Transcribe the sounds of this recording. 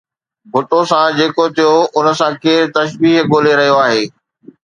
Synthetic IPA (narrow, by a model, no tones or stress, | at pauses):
bʱʊʈosãd͡ʑeːkot̪ʰijoʊnə̆sãkeːɾt̪ɐʃbiːɦɠoːleɾɐɦijoaːɦeː